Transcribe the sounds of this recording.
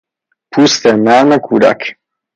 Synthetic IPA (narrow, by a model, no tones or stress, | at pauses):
pust̪ɛnanakʰud̪a̰k